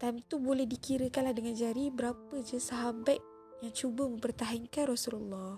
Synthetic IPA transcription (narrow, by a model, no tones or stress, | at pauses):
t̪ant̪ubolɛhdikiɾəkanlahdəŋand͡ʒaɾibəɾapəd͡ʒəsaɦabat̪̚ | jaŋt͡ʃubəmə̃mpərt̪aɦaŋkanrɔsululːɑ